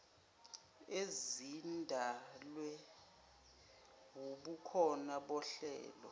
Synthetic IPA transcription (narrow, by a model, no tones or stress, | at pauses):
ezindʱalwɛ | woɓukʰɔnaɓɔɬɛ̰ːlɔ̰